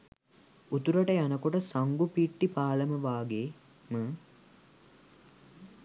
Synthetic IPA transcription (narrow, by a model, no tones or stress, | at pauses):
ut̪uɾəʈəjanəkoʈəsaŋɡupiːʈːipaːləməʋaːɡeː | mə